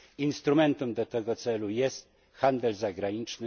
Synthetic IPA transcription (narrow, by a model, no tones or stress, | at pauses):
inst̪ɾumɛnt̪umd̪ɔt̪ɛɡɔt̪sɛlujɛst̪̚ | xand̪ɛlzaɡɾaɲit͡ʂnɘ